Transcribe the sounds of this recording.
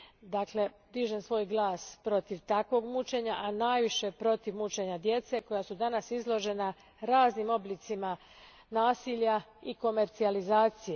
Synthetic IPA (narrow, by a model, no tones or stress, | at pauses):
d̪akle̞ | d̪iʒensʋo̞ːjɡlˠaːspɾo̞t̪iʋt̪akʋo̞ɡmut͡ʃeɲaʔanaːjʋiʃe̞pɾo̞t̪iʋmut͡ʃe̞ɲad̪je̞t̪se̞ko̞jasud̪anasizlˠo̞ʒe̞na | ɾaːznimo̞blit̪sima | naːsiːʎaiko̞me̞ɾt̪sializaːt̪sije